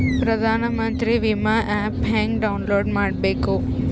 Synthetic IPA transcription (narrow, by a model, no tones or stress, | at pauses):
pɾɐd̪ʱaːnɐmɐnt̪ɾiʋimaʔɛːpɦeːŋkɖɐwunloːɾɖmaːɽbeːku